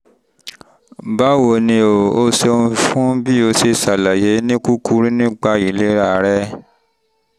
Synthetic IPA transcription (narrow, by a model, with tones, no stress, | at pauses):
ba˦wo˧˨nĩ˧o˨o˦se˧nũ˧fũ˦bi˦o˧˦se˧sa˨la˨je˨˦nĩ˦ku˦ku˦ɾi˦nĩ˦k͡pa˧i˨le˦ɾa˦˨˦ɾɛ˦